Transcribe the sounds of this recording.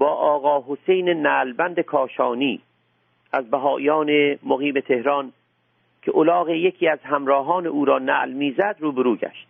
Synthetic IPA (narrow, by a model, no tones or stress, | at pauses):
bɒːʔɒːɣɒːɦosejnenæːlbænd̪ekʰɒːʃɒːniː | ʔæzbæɦɒːʔijɒːnemoɣiːme̞t̪ʰehɾɒːn | kʰeʔolɒːɣejekʰiːæzɦæmɾɒːɦɒːneuːɾɒːnæ̰ːʔlmiːzæd̪ɾuːbeɾuːɟæ̰ʃt̪̚